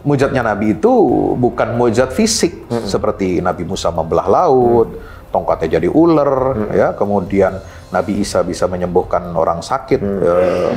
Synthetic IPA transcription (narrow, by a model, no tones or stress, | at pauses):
mud͡ʒat̪̚ɲanabiːt̪ubukanmud͡ʒat̪̚fisɪk̚səpərt̪inabimusamabəla̰hlaʊt̪̚ː | ɔŋkat̪ad͡ʒadiʔulərjakəmudianː | abiːsabisaməɲəmbɔhkano̰ɾaŋsakɪt̪̚ə